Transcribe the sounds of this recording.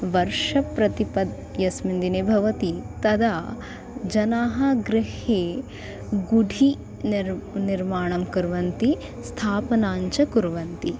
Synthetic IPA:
ʋɐɾʂɐpɾɐt̪ipɐd̪ | jɐsmind̪ineːbʱɐʋɐt̪it̪ɐd̪aː | d͡ʒɐnaːɦɐɡɾɪheː | ɡuɖʱi | niɾmaːɳ̃ɐmkɐɾʋɐnt̪i | st̪ʰaːpɐnaːɲt͡ʃɐkuɾʋɐnt̪i

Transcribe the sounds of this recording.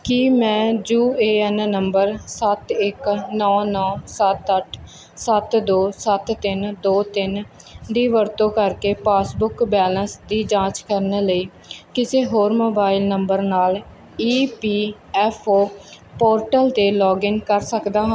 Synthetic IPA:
kiːmɛ̃ːd͡ʒuːeːɛnnəmbəɾsət̪ɪknɔːnɔːsət̪əʈʰ | sət̪d̪oːsət̪ːɪnd̪oːt̪ɪnd̪iːʋəɾt̪õːkəɾkeːpaːsbʊkbɛːlə̃nsd̪iːd͡ʒãːt͡ʃkəɾneːləiː | kɪseːɦoːɾmoːbaːɪilnəmbəɾnaːl | iːpiː | ɛːpʰoː | poːɾʈəlt̪eːlɔːɡɪnkəɾsəkd̪aːɦãː

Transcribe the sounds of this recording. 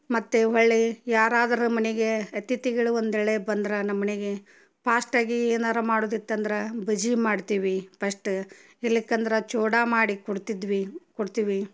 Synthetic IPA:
mɐt̪ːeɦɐɭːejaːɾaːd̪ɐɾumɐneɡe̞ɐt̪it̪iɡɐɭuond̪ɛɭebɐnd̪ɾɐnɐmːɐneɡe | paːsʈaːɡieːnaːɾɐmaːɽoːd̪it̪ːɐnd̪ɐɾɐbɐd͡ʒimaːɽt̪iːʋipɐsʈ | ilːikːɐnd̪ɐɾɐt͡ʃoːɽamaːɽikuɽt̪id̪ʋikɔɽt̪iːʋi

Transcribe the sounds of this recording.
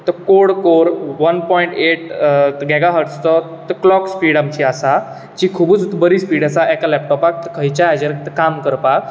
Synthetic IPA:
t̪əkoɽkoɾʋənpɔiɳʈeʈ̪ɡɛɡaɦəʈst̪ɔ | t̪əklɔkspiːɽamt͡ɕiasa | d͡ʑikʰubuːt͡st̪bəɾispiːɽasaʔɛkalɛp̚ʈɔpak̚t̪əkʰəjt͡ɕaad͡ʑəɾk̚t̪əkamkəɾpa

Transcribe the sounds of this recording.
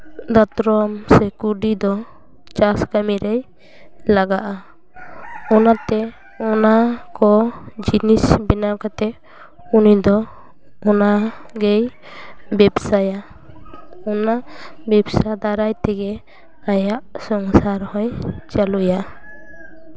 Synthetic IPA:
d̪at̪ɾɔmsɛkuɖid̪ɔ | t͡ʃaskamiɾɛj | laɡaʔa | ɔnat̪ɛ | ɔnakɔd͡ʒinisbɛnakat̪ɛ | unid̪ɔ | ɔnaɡɛj | bɛbsaja | ɔnabɛbsad̪aɾajt̪ɛɡɛ | ajaʔsɔŋsaɾhɔjt͡ʃaluja

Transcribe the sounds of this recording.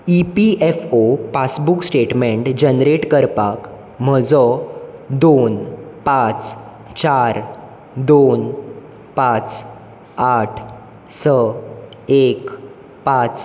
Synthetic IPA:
ipiefopasbuksʈeʈmeɳʈd͡ʑənɾeʈkəɾpak | m̤əd͡zɔd̪onpãt͡s | t͡ɕaɾ | d̪on | pat͡s | aʈʰ | sə | ek | pat͡s

